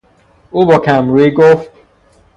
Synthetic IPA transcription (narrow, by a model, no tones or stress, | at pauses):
uːbɒːkʰæmɾiɡoft̪